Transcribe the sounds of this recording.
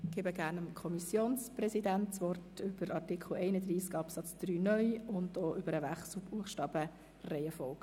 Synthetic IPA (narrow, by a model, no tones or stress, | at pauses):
ɡ̥eːbəɡ̥æːɾnəmkʰɔmisjoːnsprɛsidæntt͡sʋɔrtʏb̥əɾɑɾtikʰl̩ɛɪnəd̪riːskɑpsɑt͡sd̪̥ɾyːnœʏʊndoːʔʏbəɾəʋæχsl̩buəχʃtɑːb̥ə | rɛɪəfɔlk